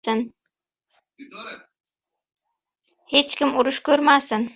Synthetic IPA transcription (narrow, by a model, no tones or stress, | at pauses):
ɪn | het͡ʃkʲɪmʊɾʊʃkʲʰɵɾmasɪn